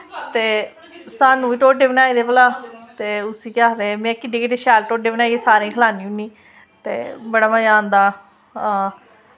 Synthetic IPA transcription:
t̪eː | saːnːũːiːʈoːɖeːʋnaːid̪eːpəlaːt̪eːʊsiːkaːd̪eːmẽːkɪɖiːkeːɖeːʃaːlʈoːʈ̚ɖeːʋnaːieːsaːɾẽːkʰəlaːniːʊnĩː | t̪ḛːbəɽaːmajãːnd̪aː

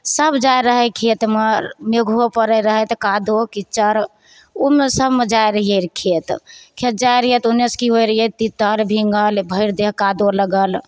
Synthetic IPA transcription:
səbʱd͡ʒajɾəɦəkʰet̪məɾmeɡʱopəɾəɾəɦət̪kad̪okit͡ʃəɾ | omesəbʱmed͡ʒajɾəɦijəɾkʰet̪kʰet̪̚d͡ʒajɾəɦjət̪uneskiɦojɾəɦjət̪it̪əɾbʱiŋɡəlbʱəɪɾd̪eɦkad̪oləɡəl

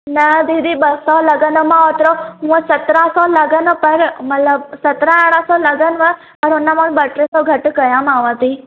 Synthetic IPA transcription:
nɐd̪id̪ʱibɐsɔlɐɡənəmãot̪ɾoɦũsɐt̪ɾãsɔlɐɡənəpɐɾmɐt̪ləbsɐt̪ɾaaɽãsɔlɐɡənʋə | pɐɾʊnːamalbɐʈɾesɔɡʱɐʈkɐjamaːʋat̪i

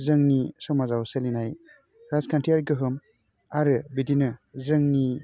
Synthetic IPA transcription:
zɯŋnisɔmazawselinaj | ɾazkʰantijaɾɡɯɦɯm | aɾɯbidinɯzɯŋni

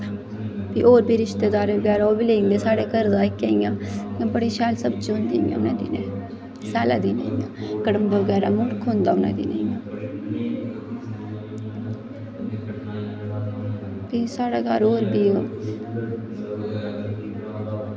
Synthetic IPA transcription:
bḭːʔoːɾbiːɾɪʃt̪eːd̪aːɾeːʋəɡɛːɾaːoːbiːleːnd̪eːsaːɽeːkəɾd̪aːɪkːɛːĩːjãːbəɽiːʃɛːlsəb̚t͡ʃiʊ̃nd̪iːjã̰ːʊnãːd̪ḭːnɛ̃ː | saːla̰ːd̪iːnḛːijãːkəɽəmbəəɡɛːɾaːmʊɽkʰõnd̪aːʊnã̰ːd̪ḭːna̰ːijãː | biːsaːɽaːɡaɾoːɾbiːo

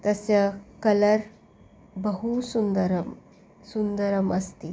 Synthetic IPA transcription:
t̪əsjakələɾ | bəɦusund̪əɾəm | sund̪əɾəməst̪iː

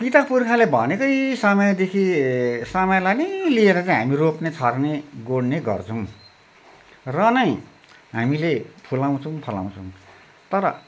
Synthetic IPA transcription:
pit̪apurkʰalebʱʌnekʌjsʌmʌjd̪ekʰisʌmʌjlajnʌjlieɾʌt͡saĩɦamiropnet͡sʰʌrneɡoɽneɡʌ̰rt͡sʰʌw̃ | rʌnʌj̃ | ɦamilepʰulaw̃t͡sʰʌw̃pʰʌla̰w̃t͡sʰʌw̃ | t̪ʌɾʌ

